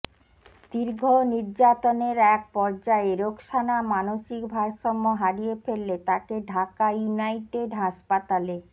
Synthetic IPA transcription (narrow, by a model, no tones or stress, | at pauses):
d̪iɾɡʱoniɾd͡ʑat̪oneɾɛk̚pɔɾd͡ʑaeɾokʃanamanoʃikbʱaɾʃɔmːoɦaɽijefelːet̪akeɖʱakajunajʈeɖɦaʃpat̪ale